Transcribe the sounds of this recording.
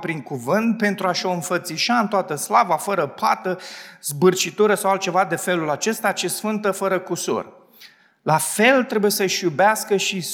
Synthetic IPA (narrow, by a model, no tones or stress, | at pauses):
pɾiŋkuvɨnt̪̚pe̞nt̪ɾuaʃo̞ɨnfət̪siʃaɨnt̪oat̪əslavafəɾəpʰat̪əzbɨrt͡ʃit̪uɾəsawalt̪̚t͡ʃe̞vad̪e̞fe̞lulat͡ʃe̞st̪at͡ʃesfɨnt̪əfəɾəkusṵr | lafe̞lt̪ɾe̞buje̞səʃjubeaskəʃis